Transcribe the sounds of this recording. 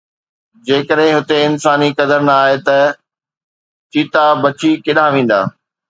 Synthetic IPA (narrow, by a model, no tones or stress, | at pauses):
d͡ʑeːkəɗɦɪ̃ɦʊt̪eɪnsaːnikɐd̪əɾnaːɦet̪ɐ | t͡ɕiːt̪abɐt͡ɕikɪɗaʋẽːn̆d̪a̰ː